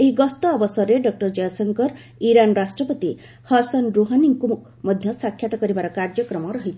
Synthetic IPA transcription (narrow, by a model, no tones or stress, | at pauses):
eɦiɡɔst̪ɔːbɔsɔɾeɖɔk̚ʈɔɾd͡ʒɔjɔsɔŋkɔɾ | iɾanɾasʈɾɔpɔt̪i | hɔsɔnɾuɦaniŋku | mɔd̪ʱjɔsakʰːjat̪ɔkɔɾibaɾɔkaɾd͡ʒɔkɾɔmɔɾɔɦit̪ʰ